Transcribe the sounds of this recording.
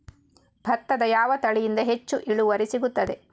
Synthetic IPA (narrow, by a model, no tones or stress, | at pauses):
bʱɐt̪ːɐd̪ɐjaːʋɐt̪ɐɭijind̪ɐɦe̞t͡ʃːuʔiɭuʋɐɾisiɡut̪ːɐd̪e̞